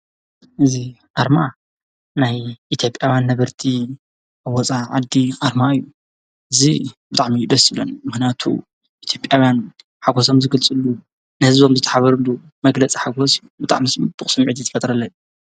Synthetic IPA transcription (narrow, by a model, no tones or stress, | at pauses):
ʔɨziʔaɾma | najʔit̪ʰjo̞pʼjawjanːɐβɐɾt̪ʰi | ʔaβɔt͡sʼaʕad̪iʔaɾmaɨjːu | ʔɨzibɨt̪ʼaʕmijud̪ɐsɨβlo̰nmɨxnjat̪ʰṵ | ʔit̪ʰjo̞pʼjawjan | ħaɡoso̞mzɨɡɨlt͡sʼɨlːu | nɨhɨzbomzɨt̪ʰɐ̥ħaβɐɾɨlu | mɐɡlɐt͡sʼiħaɡosɨjːubɨt̪ʼa̰ʕmismbɨkʼsɨmʕɨt̪̬ʰit̪ʰɐ̥fɐt̪ʼɾɐlːɐju